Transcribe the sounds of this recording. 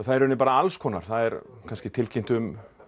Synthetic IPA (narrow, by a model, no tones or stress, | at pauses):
θaðɛɾʏnɪpaːɾaalskʰɔːnaɾ̥θaðɛɾkʰanscɪt̪ʰɪlcʰɪmt̪ʏm